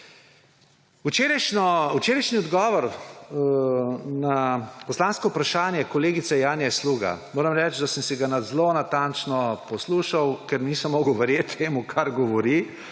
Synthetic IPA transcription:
ut͡ʃeːɾaʃnɔut͡ʃeːɾɐjʃniɔd̪ɡɔːʋɔɾ | napɔslaːnskɔwpɾaʃaːnjɛkɔleːɡit̪sɛjaːnjɛsluːɡa̰moːɾɐmɾɛːt͡ʃd̪asəmsiɡanad̪zlonat̪ant͡ʃnɔpɔsluːʃawkɛɾniːsɐmːɔːɡəwʋɛɾjeːt̪ʰːeːmukʰaɾɡɔʋɔɾi

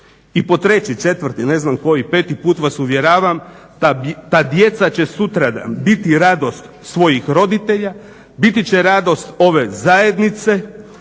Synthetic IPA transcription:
ipo̞t̪ɾe̞t͡ɕit͡ʃe̞t̪ʋrɾt̪ine̞znamko̞jipe̞ːt̪ipuːt̪ʋasuʋje̞ɾaːʋam | at̪ad̪je̞t̪sat͡ɕe̞sut̪ɾaabit̪iɾad̪o̞st̪ | sʋo̞jixɾo̞d̪it̪eʎa | bit̪it͡ɕeɾad̪o̞st̪o̞ʋe̞zaje̞d̪nit̪se̞

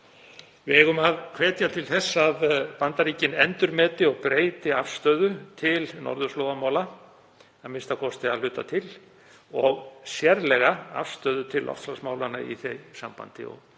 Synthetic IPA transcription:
vɪɛɣʏmaðkʰvɛːt̪jat̪ʰɪlθɛsːaðpant̪aɾiːcɪnɛnt̪ʏɾmɛːt̪ɪɔɣpɾeːjt̪ɪafst̪œːðʏt̪ʰɪlnɔ̰ɾðʏslɔːðamaːwla | amɪnst̪akʰɔst̪ɪaðlʏːt̪at̪ʰɪl | ɔɣsjɛɾlɛɣaa̰fst̪œːðʏt̪ʰɪlːʔɔ̰ft̪flasmaːwlanaḭθejsa̰mpa̰nt̪ɪ̰ɔ̰ɣ

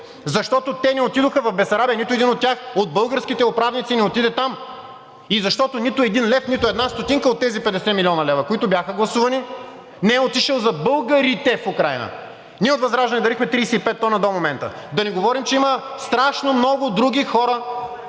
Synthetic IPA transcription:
zɐʃt̪ɔt̪ot̪ɛnɛot̪id̪oxəvɐfbɛsɐɾabijənit̪oɛd̪inot̪tʲːjaxod̪̚bɤlˠɡəɾskit̪ɛopɾavnit̪sinɛot̪id̪ɛt̪am | izɐʃt̪ɔt̪onit̪ʊɛd̪inlɛfnit̪ʊɛd̪nast̪ot̪iŋkəot̪ːɛzipɛd̪ɛsɛmilʲɔnɐlɛvɐkoit̪ʊbʲjaxəɡlˠɐsuvɐni | nɛɛot̪iʃəlˠzɐbɤlˠɡəɾit̪ɛfukɾajnə̰ | nʲiɛot̪vɐzɾaʒd̪ɐnɛd̪ɐɾixmɛt̪ɾijsɛipɛt̪ːɔnəd̪omomɛnt̪ə̰d̪ɐnɛɡovɔɾimt͡ʃɛiməst̪ɾaʃnomnɔɡʊd̪ɾuɡʲixɔɾə

